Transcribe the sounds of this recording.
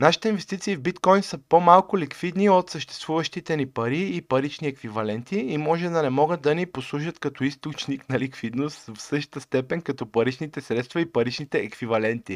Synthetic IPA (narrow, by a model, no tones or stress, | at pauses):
naʃi̥t̪ɛinvɛst̪it̪siːvbit̪kɔjnsəpomalˠkʊlikvid̪niot̪səʃt̪ɛ̥st̪vuvəʃt̪it̪ɛnipɐɾiːpɐɾit͡ʃniɛkvivɐlɛnt̪iimɔʒɛd̪ɐnɛmɔɡəd̪̚d̪ɐniposlˠuʃət̪kɐt̪ɔist̪ot͡ʃniknɐlikvid̪nost̪fsɤʃt̪əst̪ɛpɛnkɐt̪ɔpɐɾit͡ʃnit̪ɛsɾɛt̪st̪vɐipɐɾit͡ʃnit̪ɛːkvivɐlɛnt̪i